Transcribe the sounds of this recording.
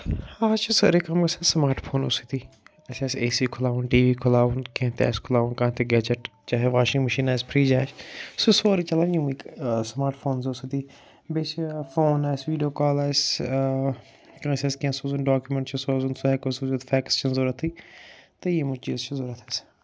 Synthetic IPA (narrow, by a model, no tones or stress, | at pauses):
haːt͡ʃʰisɐ̰ɾekɐmkɐsɛsmaːɾʈpʰoːno̰ːsit̪iː | ɐsɛːseːsiːkʰʊlaːʋʊnʈiːʋiːkʰʊlaːʋunkẽt̪ɛ̰ːskʰʊlaːʋunkãːt̪eɡɛːd͡ʒəʈt͡ʃaːɦeʋaːʃɪŋɡməʃiːnaːspʰɾiːd͡ʒaːt͡ʃsusoːɾit͡ʃɐlaːnjiũiksmaːɾʈpʰoːnzoːsit̪iː | beːt͡ʃfoːnaːsʋiːɖijoːkaːlaːs | kãseskẽsoːzunɖaːkjumeɳʈt͡ʃʰɐsoːzʊnsoɛːkosuːzut̪fʰɛːkst͡ʃʰɐnzoːɾət̪ʰiːt̪ejemʊt͡ʃiːzt͡ʃʰɐzoːɾət̪ʰɛːs